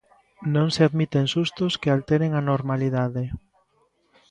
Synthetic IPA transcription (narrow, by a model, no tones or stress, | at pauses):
nõŋseaðmit̪eŋsust̪oskealt̪eɾeŋanoɾmaliðaðe